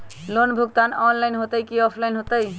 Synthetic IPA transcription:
lonbʱuɡt̪anɔnlajnɦot̪əjkiɔpʰlajnɦot̪əj

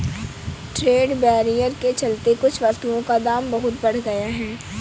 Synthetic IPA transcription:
ʈɾeːɖbɛːɾijəɾket͡ʃɐlt̪ekʊt͡ʃʰʋɐsst̪uõkad̪aːmbɐɦʊt̪̚bɐɽ̤ɡɐjaɦɛː

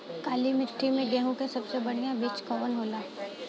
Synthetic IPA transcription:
kaːlimɪʈʰːimẽɡɛːɦũkesɐbsebɐɽ̤ijãbeːt͡ʃkɔːʋənɦoːlaː

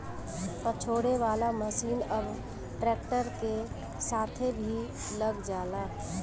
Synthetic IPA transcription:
pət͡ʃʰoːɽeʋaːlaməsiːnəb | ʈɾɛːkʈəɾke | saːt̪ʰebʱi | ləɡd͡ʒaːlaː

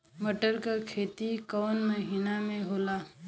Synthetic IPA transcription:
məʈəɾkakʰeːt̪ikɔːnməɦiːnamẽɦoːlaː

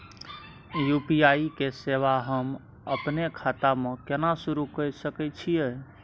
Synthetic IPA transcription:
jupijaikeseʋaɦəm | əpnekʰat̪amẽkenasuɾukəɾsəkɛt͡ʃʰije

